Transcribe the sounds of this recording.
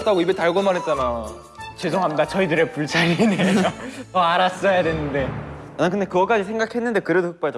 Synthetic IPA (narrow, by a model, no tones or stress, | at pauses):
t͈aɡoibetaɭɡʌmanɦet̚t͡ɕ͈anajo | t͡ɕesʰoŋɦamidat͡ɕʌidɯɾe̞puɭt͡ɕʰaɾinejotʌaɾas͈ʌjadwenɯnde̞ | akɯndekɯɡʌk͈ad͡ʑisʰeŋɡakʰe̞nːɯnde̞kɯɾe̞dokɯk̚p͈ad͡ʑ